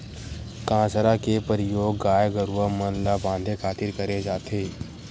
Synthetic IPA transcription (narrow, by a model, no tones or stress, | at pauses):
kãːsəɾakepəɾɪjoːɡːaːjɡəɾuamənlabãːnd̪ʱekʰaːt̪ɪɾkəɾed͡ʒaːt̪eː